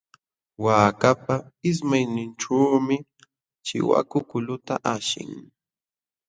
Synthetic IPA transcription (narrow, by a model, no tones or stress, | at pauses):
waːkapaɪs̬majnɪnʈ͡ʂaːmɪ | t͡ʃɪ̰wa̰kʊkʊlʊt̪aʔaʃɪ̰ŋ